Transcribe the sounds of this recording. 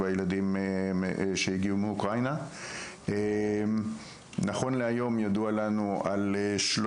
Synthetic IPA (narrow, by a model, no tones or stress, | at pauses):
vajeladim | ʃejiɡiumeukʁajna | e | naχo̞nleajo̞mjadualanua̰leʃlo